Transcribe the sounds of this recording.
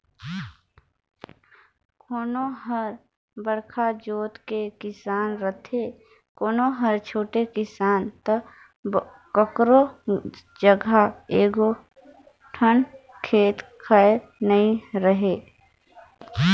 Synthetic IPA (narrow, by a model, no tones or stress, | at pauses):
kʰoːnoɦəɾ | bəɽkʰad͡ʒoːt̪kekɪsaːnɾət̪ʰe | koːnoɦəɾt͡ʃʰoːʈekɪsaːnt̪ə | kəkɾo | d͡ʒəɡʱaeːɡo | ʈʰən | kʰeːt̪kʰanəĩɾəɦeː